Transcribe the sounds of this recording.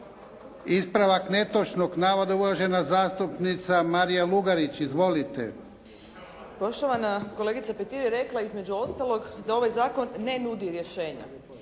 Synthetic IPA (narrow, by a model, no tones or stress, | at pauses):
ispɾaʋakne̞t̪ot͡ʃnoɡnaːʋad̪aulaʒe̞nazaːst̪upnit̪samaɾijaluɡaɾit͡ɕizʋo̞lit̪ḛ | po̞ʃt̪oʋanakoleɡit̪sapet̪iɾjeɾe̞klˠaizme̞d͡ʑuo̞st̪alˠo̞ɡd̪ao̞ʋajzaːko̞nːenud̪iɾje̞ʃe̞ːɲa̰